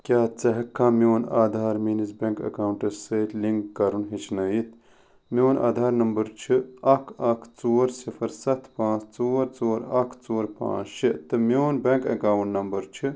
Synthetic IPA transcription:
kʲjaːt͡sɐɦɐkʰːaːmʲoːnaːd̪ʱaːɾminizbeŋkɐ̰kaːwɳʈɐsəːt̪ʲliŋkːɐɾunɦit͡ʃʰnɐjit̪ʰ | mʲoːna̰ːd̪ʱaːɾnɐmbɐɾt͡ʃʰɨɐkʰɐkʰt͡soːɾsifɐɾsɐt̪ʰpãːt͡st͡soːɾt͡soːɾɐkʰt͡soːɾpã̰ːt͡ʃʃet̪ɨmjoːnbeŋkɐ̰kaːwuɳʈnɐmbɐɾt͡ʃʰi

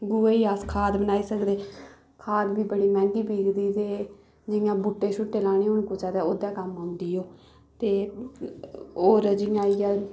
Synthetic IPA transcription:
ɡuːeːiːaːskʰaːd̪bənaːiːsəkd̪eː | kʰaːd̪biːbəɽiːmɛ̃ːŋɡiːpiːkd̪iːt̪eː | d͡ʒɪjãːbʊʈːeːʃʊʈːeːlaːɽ̃iːʊɳkʊt͡ʃaːt̪eːoːd̪ãːkəmɦãːnd̪iːoː | t̪eː | oːɾd͡ʒɪjãːijãː

